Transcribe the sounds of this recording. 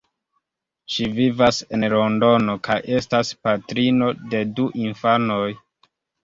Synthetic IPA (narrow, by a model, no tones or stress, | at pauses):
ʃivivase̞nɾo̞ndo̞no̞kʰajʔe̞staspatɾino̞de̞duʔinfano̞j